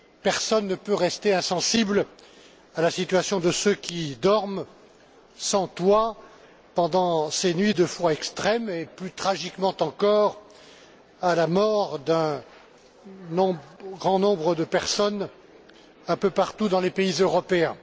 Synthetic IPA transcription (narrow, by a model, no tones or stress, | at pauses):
pɛʁsɔnːəpøʁɛst̪eɛ̃sɑ̃sibl | alasit̪ɥasjɔ̃d̪əsøkʲʰid̪ɔʁm | sɑ̃t̪wa | pɑ̃d̪ɑ̃senɥid̪əfwaɛkst̪χɛmeplyt̪χaʒikmɑ̃t̪ɑ̃kɔːʁ | alamɔʁd̪ɛ̃ | nɔ̃ɡʁɑ̃nɔ̃bʁəd̪əpɛʁsɔn | ɛ̃pøpaʁt̪ud̪ɑ̃lepeizøʁɔpeɛ̃